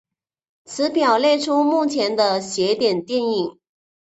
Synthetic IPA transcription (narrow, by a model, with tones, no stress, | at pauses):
t͡sʰɹ̩˧˥pjɑ˨˩ʊljɛ˥˧ɪʈ͡ʂʰu˥mu˥˩t͡ɕʰjɛ˧˥nd̪ə˧ɕjɛ˧˥t̪jɛ˨˩nt̪jɛ˥˧ni˨˩ŋ